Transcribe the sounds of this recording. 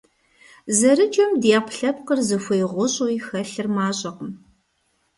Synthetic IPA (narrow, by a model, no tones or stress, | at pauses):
zɐɾɨd͡ʒʼɐmdeːpʰɬɐp̚qərzɨfʷɐjʁʷʊɕʼuixɐɬɨrmaːɕʼɐqəm